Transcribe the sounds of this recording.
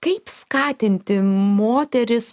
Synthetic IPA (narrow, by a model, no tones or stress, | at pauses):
kɐɪpskɑːt̪ʲɪnʲt̪ʲɪmoːt̪ʲɛɾʲɪs